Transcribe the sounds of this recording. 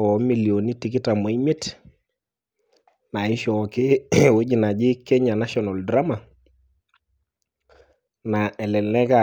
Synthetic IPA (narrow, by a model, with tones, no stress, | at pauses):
ɔ˨˦mi˨lijo˨ni˦ti˨kɪ˦ta˨mo˨i˦me˦t | na˨ɪ˦ʃɔ˨kɪ˦we˦d͡ʒi˨na˨d͡ʒɪ˦kɛ˦ɲa˨na˦ʃɔ˨na˨ldɾa˦ma˨ | na˨ɛ˨lɛ˨lɛ˦ka˦˨